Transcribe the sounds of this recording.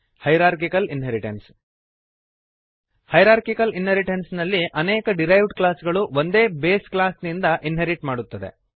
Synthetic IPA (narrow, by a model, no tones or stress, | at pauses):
hɐjɾaːɾkikɐlinɦeɾiʈens | hɐjɾaːɾkikɐlinɦeɾiʈensnɐlːiʔɐneːkɐɖiɾɐjʋɖklaːsɡɐɭuʋond̪e̞ːbe̞ːsklaːsnind̪ɐʔinɦeɾiʈmaːɽut̪ːɐd̪e̞̰